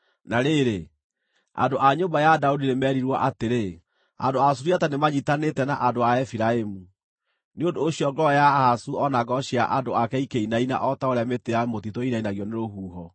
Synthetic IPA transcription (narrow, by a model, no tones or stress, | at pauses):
naɾeɾe | a̰ndoʔaɲombajadaudinemɛːɾiɾwɔʔateɾe | a̰ndoasuɾiatanemaɲitanetɛnaʔadoaɛfiɾaemu | neondoːɕiɔɡɔjahasuɔnaɡɔɕia̰ʔadoakɛikeinaina̰ʔɔtaoɾeameteɾamotitoinainaɣjɔneɾoɦuːɦɔ